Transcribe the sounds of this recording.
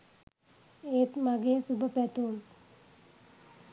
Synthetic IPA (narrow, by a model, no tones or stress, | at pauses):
eːt̪mɐɡeːsubɐpet̪oːl